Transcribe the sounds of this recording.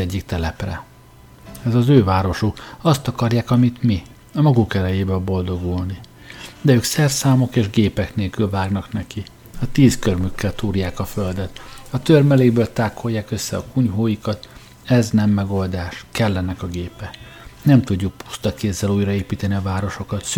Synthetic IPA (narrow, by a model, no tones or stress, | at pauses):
ɛɟːikt̪ɛlɛprɛ̰ | ɛzɒzøːvaːɾo̞ʃukɒst̪ɒkɒrjaːkɒmit̪mi | ɒmɒɡukɛlɛjeːbɛbo̞ld̪o̞ɡulni | d̪ɛøːksɛrsaːmo̞keːʒɡeːpɛkneːlkylvaːɡnɒknɛki | ɒt̪iːskørmykːɛlt̪uːrjaːkɒføld̪ɛt̪ɒt̪ørmɛleːbøːlt̪aːkʰo̞jːaːkø̞sːɛɒkuɲɦoːjikɒt̪ | ɛznɛmːɛɡo̞ld̪aːʃkɛlːɛnɛkɒɡeːpɛ | nɛmt̪uɟːuk̚pu̥st̪ɒkeːzːɛluːjrɒeːpiːt̪ɛniɒvaːɾo̞ʃo̞kɒt̪s